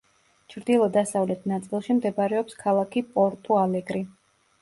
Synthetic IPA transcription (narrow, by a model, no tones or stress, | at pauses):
t͡ʃʰɾd̪ilˠɔd̪asavlɛt̪ʰnat̪sʼilˠʃimd̪ɛbɾɛɔpskʰalˠakʰipʼɔɾt̪ʼualɛɡɾi